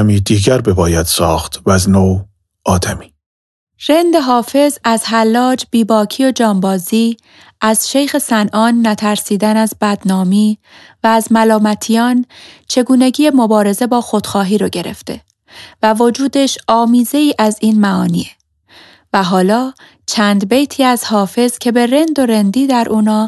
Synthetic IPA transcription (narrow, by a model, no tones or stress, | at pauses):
miːd̪iːɟæɾbebɒːjæd̪̥sɒːxt̪væznoː | ʔɒːd̪æmiː | ɾe̞nd̪eɦɒːfe̞zæz̥hælːɒːd͡ʒbiːbɒːcʰiːo̞d͡ʒɒːmbɒːziː | ʔæz̥ʃe̞jxe̞sænʔɒːnːæt̪ʰæɾsiːd̪ænæzbæd̪̥nɒːmiː | væːzmælɒːmæt̪ʰijɒːnt͡ʃʰe̞ɡuːne̞ɟiːemo̞bɒːɾe̞ze̞bɒːxo̞d̪̥xɒːɦiːɾɒɟe̞ɾḛft̪e̞̰ | vævo̞d͡ʒuːd̪e̞ʃɒːmiːze̞iːʔæziːnmæɒːnḭːe | væɦɒːlɒː | t͡ʃʰæːnd̪be̞jt̪ʰiːæzhɒːfe̞z̥cʰe̞be̞ɾe̞nd̪o̞ɾe̞nd̪iːd̪æɾʔuːnɒː